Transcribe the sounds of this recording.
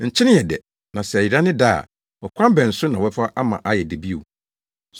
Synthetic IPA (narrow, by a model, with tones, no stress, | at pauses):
ɲ̩˨t͡ɕʰɪ˦nɪ̃˦jɛ˨dɛ˨ | nã˨sɛ˨æ˨ji˨ɾa˦nɪ̃˦da̰ː˦˨ | wɔ˨kʷʰã˦m˦bɛ̃˨n̩˨sʊ˦nã˨wɛ˦fa˦ʔa˦mã̰˨ʔa˦jɛ˨de˨bi˦o̰˨